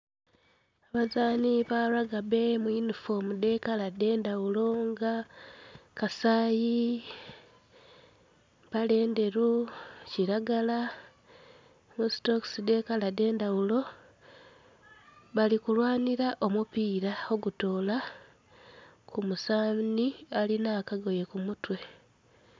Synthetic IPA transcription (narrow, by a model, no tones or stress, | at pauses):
aβazaːniβaɾaɡabe̞mwinufo̞mude̞kalade̞ːndaulo̞ŋɡa | kasaːji | βale̞ːnde̞ɾuciɾaɡala | mustokside̞kalade̞ːndawulo̞ | βalikulwaːniɾaʔo̞mupiːɾao̞ɡuto̞ːla | kʰumusaːnialinaːkaɡo̞je̞kumutwe̞